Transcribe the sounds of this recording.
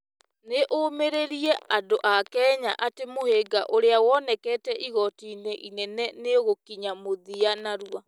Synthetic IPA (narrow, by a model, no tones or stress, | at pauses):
neʔomeɾeɾiɛadoʔakɛːɲaʔatemoheɡaʔoɾeawɔnɛkɛːtɛʔiɣɔtiːneʔinɛnɛneɣokiɲamoðianaɾua